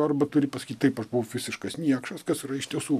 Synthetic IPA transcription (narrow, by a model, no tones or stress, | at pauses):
ɐrbɐt̪ʊɾʲɪpɐsɐkʲiːt̪̚ʲt̪ɐɪpɐʃbʊʋʊfʲɪzʲɪʃkɐsnʲiɛkʃɐskɐsiɾɐɪʃʲt̪ʲiɛsuː